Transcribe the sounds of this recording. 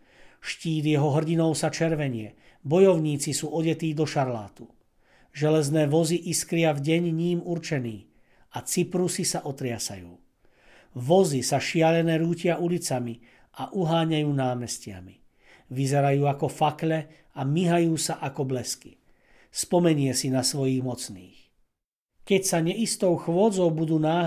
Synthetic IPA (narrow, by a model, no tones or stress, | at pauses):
ʃciːd̪jɛɦɔɦr̩ɟinɔʊsat͡ʃɛɾʋɛɲɪɛ | bɔjɔʊɲiːt͡sisuːɔɟɛt̪iːd̪ɔʃaɾla̰ːt̪u | ʒɛlɛznɛːʋɔziʔiskɾɪavɟɛɲɲiːmuɾt͡ʃɛniː | at͡sipɾusisaʔɔt̪ɾɪasa̰jṵː | ʋɔzisaʃɪaʎɛnɛːɾuːcɪaʔulit͡sami | ʔaʔuɦaːɲajuːnaːmɛscɪa̰mi | ʋizɛɾajuːakɔfaklɛ | amiɦajuːsaʔakɔblɛskḭ | spɔmɛɲɪɛsinasʋɔjiːɣmɔt͡sniːx | kɛcsaɲɛist̪ɔʊxʋʊɔd͡zɔʊbud̪uːnaː